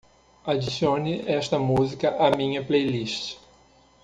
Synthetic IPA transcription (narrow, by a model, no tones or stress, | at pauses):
ad͡ʒisjõnɪɛst̪ɐmuzikɐʔɐmĩɲɐplejliʃt͡ʃ